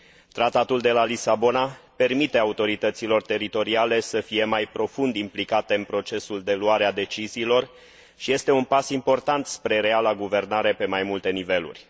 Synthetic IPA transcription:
t̪ɾat̪at̪uld̪e̞lalisabo̞nape̞rmit̪e̞aut̪o̞ɾit̪ət̪silo̞rt̪e̞ɾit̪o̞ɾiale̞səfije̞majpɾo̞fund̪implikat̪e̞ɨnpɾo̞t͡ʃe̞suld̪e̞luaɾead̪e̞t͡ʃiziːlo̞r | ʃije̞st̪e̞unpasimpo̞rt̪ant̪spɾe̞ɾealaɡuve̞rnaɾe̞pe̞majmult̪e̞nive̞lṵrʲ

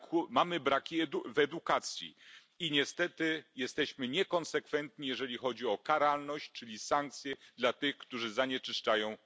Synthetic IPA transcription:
kumamɘbɾakʲiɛvɛd̪ukat̪sʲjḭ | iɲɛst̪ɛt̪ɘjɛst̪ɛɕmɘɲɛkɔnsɛkfɛnt̪ɲijɛʐɛlʲixɔd͡ʑiɔkaɾalnɔɕt͡ɕt͡ʂɘlʲisaŋk̚t̪sʲjɛd̪lat̪ɘxkt̪uʐɘzaɲɛt͡ʂɘʂt͡ʂajɔ̃w̃

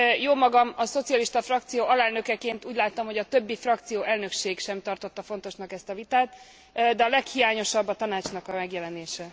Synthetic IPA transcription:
joːmɒɡɒmɒso̞t̪sijɒliʃt̪ɒfrɒkt̪sijoːɒlɛlnø̞kɛkeːnt̪uːɟlaːt̪ːɒmho̞ɟɒt̪ø̞bːifrɒk̚t̪sijoːʔɛlnø̞kʃeːɡʃɛmt̪ɒrt̪o̞t̪ːɒfo̞n̪t̪o̞ʃnɒkɛst̪ɒvit̪aːt̪ | d̪ɛɒlɛkhijaːɲo̞ʃɒbːɒt̪ɒnaːt͡ʃnɒkɒmɛɡjɛlɛneːʃɛ

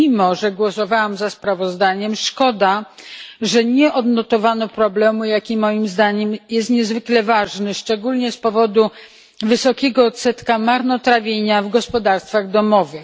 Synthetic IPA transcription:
imɔʐɛɡwɔsɔvawamzaspɾavɔzd̪aɲɛmʂkɔd̪a | ʐɛɲɛʔɔd̪nɔt̪ɔvanɔpɾɔblɛmujakʲimɔjimzd̪aɲɛmjɛst̪ɲɛzvɘklɛvaʐnɘʂt͡ʂɛɡulɲɛspɔvɔd̪u | vɘsɔkʲɛɡɔt̪sɛt̪kamaɾnɔt̪ɾavʲjeɲavɡɔspɔd̪aɾst̪faɣd̪ɔmɔvɘx

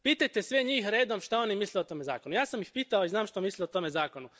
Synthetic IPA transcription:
piːt̪ajt̪esʋeɲiːxɾe̞ːd̪o̞mʃt̪ao̞nimisleot̪o̞me̞za̰ːko̞nujaːsamjixpiːt̪aoiznaːmʃt̪omisleot̪o̞me̞zaːko̞nu

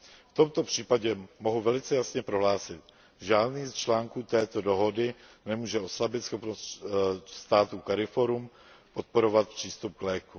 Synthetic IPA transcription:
ft̪o̞mt̪opr̝̥iːpaɟɛmoɦuvɛlɪt͡sɛjasɲɛpɾo̞ɦlaːsɪt̪ | ʒaːdniːst͡ʃlaːŋkuːt̪ɛːt̪odo̞ɦo̞dɪnɛmuːʒɛʔo̞slabɪt̪sxo̞pnost̪st̪aːt̪ukaɾɪfoɾum | po̞t̪̚po̞ɾo̞vat̪̚pr̝̥iːst̪up̚ɡlɛːku

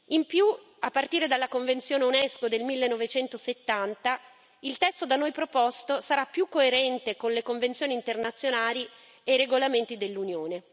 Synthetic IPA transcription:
impju | apːart̪iːɾed̪alːakoɱvent̪sjoːneunɛskod̪elmilːenːɔvet͡ʃɛnt̪oset̪ːant̪a | ilt̪ɛst̪od̪anojpɾopɔst̪osaɾapːjukːoeɾɛnt̪ekonlekoɱvent̪sjoːnint̪ernat̪sːjonaːli | ejɾeɡolament̪id̪elːunjoːne

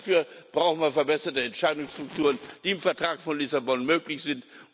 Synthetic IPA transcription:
fyːɐb̥ʁaʊxn̩viːɐfɛɐbɛsɐtəɛntʃaɪdʊŋsʃtʁ̥ʊktʰuːʁ̞ənd̥iːɪmfɛɐtʁ̥aːkfɔnlɪsabɔnmøːklɪçz̥ɪnt

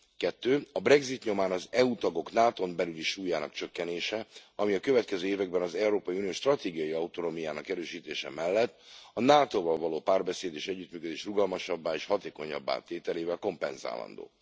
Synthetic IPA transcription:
kɛt̪ːøːɒbrɛɡzit̪ɲo̞maːnɒzɛut̪ɒɡo̞knaːt̪o̞mbɛlyliʃuːjaːnɒ̰kt͡ʃø̞kːɛneːʃɛɒmiɒkø̞vɛt̪̚kɛzøːeːvɛɡbɛnɒzɛuɾoːpɒiunioːʃt̪rɒt̪eːɡijɒjiɒut̪ono̞mijaːnɒkɛɾøːʃiːt̪eːʃɛ̰mɛlːɛt̪ːɒnaːt̪oːvɒlvɒloːpaːrbɛseːd̪eːʃɛɟːyt̪myːkø̞d̪eːʃruɡɒlmɒʃɒbːaːeːʃhɒt̪eːko̞ɲɒ̰bːa̰ːt̪eːt̪ɛleːvɛlko̞mpɛnza̰ːlɒ̰nd̪o̰ː

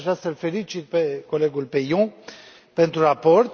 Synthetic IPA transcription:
ʒɾasəlfe̞lit͡ʃit̪̚peko̞le̞ɡulpejõ | pe̞nt̪ɾurapo̞rt̪

